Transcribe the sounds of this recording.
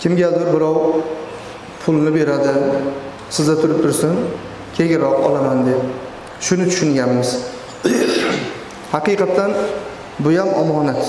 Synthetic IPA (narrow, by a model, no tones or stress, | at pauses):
kʲʰɪmɡʲad̪ɪɾbɪɾɒw | pʰʊlˠnɪbe̞ɾad̪ɪ | sɪzd̪at̪ʰʊɾɪp̚t̪ʰʊɾsɪn | kʲʰe̞ɡʲɪɾɒqɒ̰lamand̪e | ʃʊnɪt̪ʰʊ̥ʃɪŋɡʲanmɪz̥ | hɑqɨjqʰɑt̪ʰːan | bʊjamɒmɒnat̪